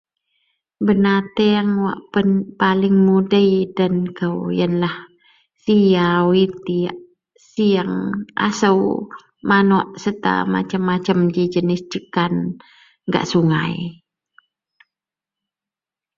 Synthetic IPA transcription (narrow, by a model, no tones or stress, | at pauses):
bənat̪eaŋwa̰ʔpənpalɪŋmudəidənkəwjənlah | sijawit̪iaʔ | siaŋʔa̰səw | manɔʔsət̪a̰ma̰t͡ʃəmːat͡ʃəmd͡ʒid͡ʒənɪsd͡ʒəkan | ɡa̰ʔsuŋa̰i